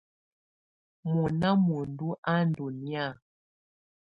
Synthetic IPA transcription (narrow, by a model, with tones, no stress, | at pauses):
mu˨na˦mu˨n˨du˦ʔa˦n˨du˨ni˦a˦˨